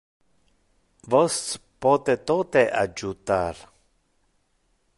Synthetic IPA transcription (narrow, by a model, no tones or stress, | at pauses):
vɔstpɔːt̪et̪ot̪eʔad͡ʒut̪aɾ